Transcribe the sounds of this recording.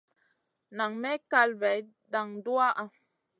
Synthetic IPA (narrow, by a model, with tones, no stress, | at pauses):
na˨ŋmɛ˦ka˧lvɛ˨j | da˨ŋdu˦a˦ʔa˨